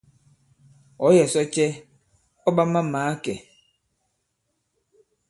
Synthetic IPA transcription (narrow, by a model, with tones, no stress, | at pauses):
ɔ˨˦jɛ˨sɔ˦t͡ʃɛ˦ | ɔ˦ɓa˦ma˦maː˨˦kɛ˨